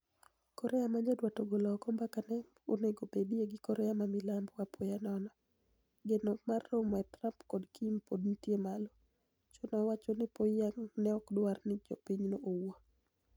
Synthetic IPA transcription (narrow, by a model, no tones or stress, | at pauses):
kɔɾɛamaɲadwatoɡolɔkɔmbakanɛ | oneɡobedijeɡɪkɔɾɛamamɪlambwapʰojanɔnɔ | ɡenɔmarːomɔɛtɾampkɔdkimpodntjemalo | t͡ʃonɔwat͡ʃonɪpoaŋnɛɔkdwarnɪd͡ʒɔ̰piɲnoʔowo